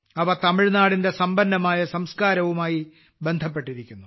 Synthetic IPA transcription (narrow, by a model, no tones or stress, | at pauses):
ɐʋɐt̪ɐmiɻnaːɽinde̞sɐmbɐnːɐmaːjɐsɐmskaːɾɐʋumaːji | be̞nd̪ʱɐp̬ːe̞ʈːiɾikʲːunːu